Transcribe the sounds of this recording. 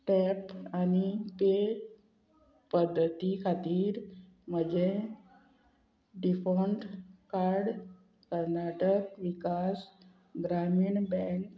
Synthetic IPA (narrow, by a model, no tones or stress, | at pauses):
ʈɛpanipe | pəd̪ʱːət̪ikʰat̪iːɾ | məd͡ʑe | ɖifoɳʈkaɾɽ | kəɾnaʈəkʋikas | ɡɾamiːɳbɛ̃ŋk